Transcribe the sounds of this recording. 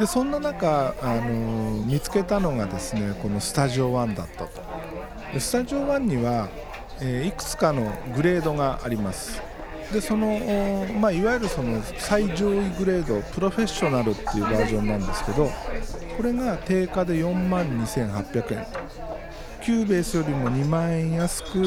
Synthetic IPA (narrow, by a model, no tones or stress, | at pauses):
d̪̥e̞sõ̞nːanakaːno̞mʲit͡sɨ̥ke̞t̪ano̞ɡad̪e̞sɨne̞ko̞no̞sɨ̥t̪aʑio̞βãnd̪a̰t̪ːat̪o̞̥ | d̪̥e̞sɨ̥t̪aʑio̞βãɲ̟ːiβa | eːikɯ̟̥t͡sɨ̥kano̞ɡɯ̟ɾe̞ːd̪o̞ɡaʔaɾʲimasɨ̥ɨ̥ | d̪e̞so̞no̞maiβajoɾɯ̟so̞no̞ | saiʑo̞ːiɡɯ̟ɾe̞ːd̪o̞pɯ̟ɾo̞ɸe̞ɕːo̞naɾɯ̟t̪ːe̞jɯ̟ːbaːʑõ̞nːãnd̪e̞sɨ̥ke̞d̪o̞ko̞ɾe̞ɡat̪e̞ːkad̪e̞jõ̞mmãɲ̟ːisẽ̞ɰ̃hapʲːjakɯ̟ẽn | kʲɨːbe̞ːsɨjo̞ɾʲimo̞ɲ̟imãɰ̃ẽ̞ɰ̃jasɨ̥kɯ̟